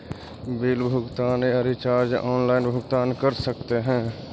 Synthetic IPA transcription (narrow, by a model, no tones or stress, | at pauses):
biːlbʱʊɡt̪aːneəɾit͡ʃaːɾd͡ʒɔːnlaːɪnbʱʊɡt̪aːnkəɾsəkt̪eɦɛ̃ː